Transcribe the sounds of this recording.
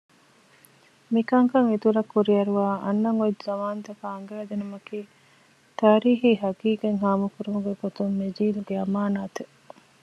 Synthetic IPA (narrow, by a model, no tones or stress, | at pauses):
mikɐŋkɐŋit̪uɾɐkːuɾiɐɾuʋaːʔɐ̰nːɐŋotzɐmaːnɐt̪ɐkɐːŋɡæːd̪enumɐkiː | t̪aːɾiːɦiɦɐkiːkeŋɦaːmukuɾumuɡeɡot̪umːed͡ʒiːluɡeɐmaːnaːt̪e